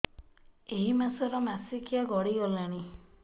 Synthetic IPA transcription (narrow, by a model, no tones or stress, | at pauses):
eɦimasɔɾɔmasikijaɡɔɽiɡɔlaɽ̃i